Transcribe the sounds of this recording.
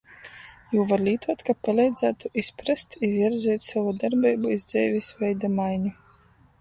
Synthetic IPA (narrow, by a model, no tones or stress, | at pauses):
juːvaɾlʲiːt̪uɔt̪kapalʲɛjd̪zæːt̪uʔispɾast̪iviɛɾɛzʲɛːt̪ʲsavud̪aɾbɛːbuizd̪zɛːvʲisvʲɛjd̪amajɲʲi